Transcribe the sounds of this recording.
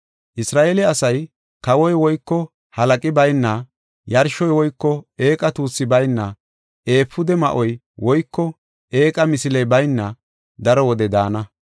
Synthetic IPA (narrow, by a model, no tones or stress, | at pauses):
ʔɪsɾaːʔelɛɐsɐj | kɐwɔjwɔjkːɔ | hɐlɐkʼɪbɐjnːɐ | jɐɾʃɔjwɔjkːɔe̞ːkʼɐt̪uːsːɪbɐjnːɐ | e̞ːpːʊd̪ɛmɐ̰ʔɔj | wɔjkːɔ | e̞ːkʼɐmɪsɪlɛjbɐjnːɐ | d̪ɐɾɔwɔd̪ɛd̪aːnɐ